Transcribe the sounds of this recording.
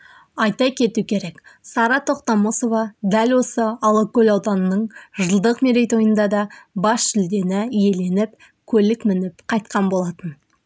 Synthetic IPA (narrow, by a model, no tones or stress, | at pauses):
ɑjt̪ɑkʲʰe̞t̪ukʲʰe̞ɾe̞ksɑɾɑt̪ʰo̞qt̪ɑmoso̞vɑd̪ælʲwo̞səɑlˠəkʲɵlɑwd̪ɑnənəɴʒəlˠd̪əqmeɾʲejt̪wo̞jənd̪ɑd̪ɑbɑsʒʏld̪e̞nɪije̞le̞nɪp̚ | kʲʰɵlɪkmɪnɪpqʰɑjt̪̚qʰɑnbo̞lˠɑt̪ən